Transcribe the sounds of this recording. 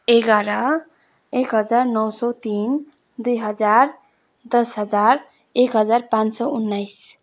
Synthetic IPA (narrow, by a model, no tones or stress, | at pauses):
eɡaɾa | ekɦʌd͡ʒaɾnɔwsɔt̪in | d̪ujɦʌd͡ʒaɾ | d̪ʌsɦʌd͡ʒaɾ | ekɦʌd͡ʒaɾpãnt͡ʃsɔunːaɪs